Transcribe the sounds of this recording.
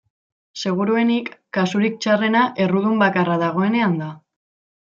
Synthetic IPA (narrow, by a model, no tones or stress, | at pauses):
se̞ɣ̞uɾue̞nikːasuɾik̚t͡ʃare̞naʔe̞ruðumbakaraðaɣ̞o̞e̞ne̞and̪a